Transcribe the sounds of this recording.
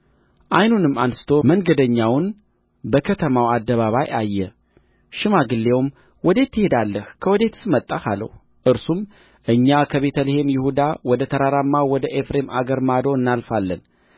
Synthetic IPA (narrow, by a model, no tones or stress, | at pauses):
ʔajnunɨmːansɨ̥t̪ʰo̞məŋɡəd̪əɲːawn | bəkʰət̪ʰəmawad̪ːəβaβajajːɛ | ʃɪmaɡɨlːe̞wm | wɔd̪e̞t̪ʰːɨhe̞d̪alːəhkʰəwɔd̪e̞t̪sɨmət̪ʼːafalə̰h | ʔɨɾsum | ʔɨɲːakʰəβe̞t̪ʰəlehe̞mjɪhud̪awɔd̪ət̪ʰəɾaɾamːawɔd̪əʔefɾema̰ɡəɾmad̪oɨnːalfalːən